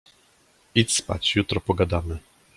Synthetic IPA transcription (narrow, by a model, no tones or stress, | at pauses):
it̪spa̰t͡ɕjut̪ɾɔpɔɡad̪amɘ